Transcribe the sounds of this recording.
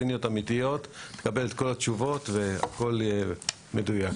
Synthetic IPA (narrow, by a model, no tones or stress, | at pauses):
inijo̞tamit̪ijo̞tt̪e̥kabe̞let̪ko̞latt͡ʃuvo̞t̪vea̰ko̞le | medujak